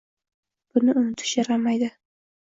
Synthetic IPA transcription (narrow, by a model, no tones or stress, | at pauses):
b̥ʊnɪʊnɪt̪ʰɪ̥ʃjaɾamajd̪ɪ